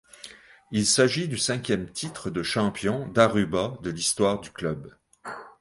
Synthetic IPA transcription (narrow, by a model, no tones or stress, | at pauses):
ilsaʒid̪ysɛ̃kʲjɛmt̪ʰit̪χəd̪əʃɑ̃pjɔ̃d̪aʁybad̪əlist̪waʁd̪yklœb